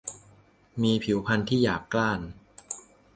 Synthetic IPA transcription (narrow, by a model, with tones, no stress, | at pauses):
miː˧pʰi˨˩˦wpʰa˧nt̪ʰiː˥˩jaː˨˩kːlaː˥˩n